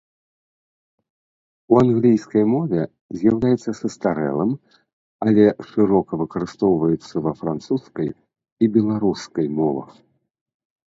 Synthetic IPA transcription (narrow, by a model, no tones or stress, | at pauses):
uanɣlʲijskɐjmɔvʲɛ | zʲjawlʲajɛt̪sːɐsɐst̪aɾɛ̰lˠɐm | alʲɛʂɨɾɔkɐvɨkɐɾɨst̪ɔwvɐjut̪sːɐvɐfɾant̪suskɐj | ibʲɛlˠaɾuskɐjmɔvɐ̰x